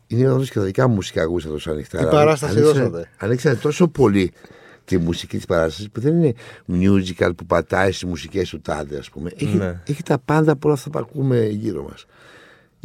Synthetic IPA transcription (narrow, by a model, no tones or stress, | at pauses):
ineðosket̪ɐðikɐmusi̥kɐɣusɐt̪osɐnikt̪aɐɐɾɐst̪ɐsiosɐt̪eɐniksɐnet̪o̞so̞po̞li | t̪imusicit̪i̥spɐɾɐst̪ɐsispuðe̞nine̞mjuzikɐ̰lpupɐt̪ɐist̪izmusicest̪ut̪ɐ̰ðeɐ̰spumeʔeçieçit̪ɐpɐnd̪ɐpuo̞lɐft̪ɐpɐ̰kumeʝiɾo̞̰mɐ̰s